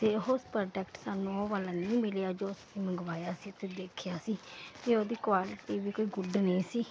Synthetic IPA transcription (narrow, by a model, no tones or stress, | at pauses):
t̪eːɦospɾəɖəkʈsaːnũːoːʋaːlãːnəĩːmɪlejaːd͡ʒoːʊssĩːməŋɡʋaːjaːsiːt̪eːd̪eːkʰjaːsiːt̪eːoːd̪iːkwaːlɪʈiːʋiːkoːiːɡʊɖnə̃ĩːsiː